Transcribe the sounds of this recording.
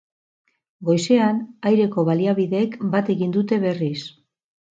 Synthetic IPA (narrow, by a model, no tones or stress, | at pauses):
ɡo̞jse̞anajɾe̞ko̞βaliaβiðe̞ːkbat̪e̞ɣind̪ut̪e̞βe̞ris